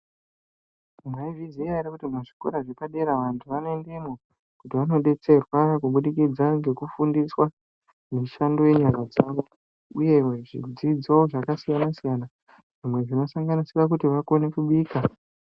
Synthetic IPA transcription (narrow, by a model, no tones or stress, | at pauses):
ŋɡaiviziaiɾekutimaʐiko̞̰ɾaʐepaɗeɾaʋantʰuʋanoendemo | kutiʋano̞ɗe̞t͡se̞rwakuɓuɗikid͡zaŋɡe̞kufundiswa | muʃando̞je̞ɲaɡad͡zaʋo̞ | uje̞ʐḭd͡zid͡zooʐakasijanasijana | ʐ̥imwe̞ʐino̞saŋɡanisirak̬utiʋakone̞kuɓiːka